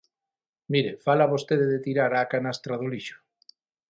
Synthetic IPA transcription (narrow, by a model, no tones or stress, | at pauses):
miɾefalaβost̪eðeðet̪iɾaɾakanast̪ɾaðuliʃo̥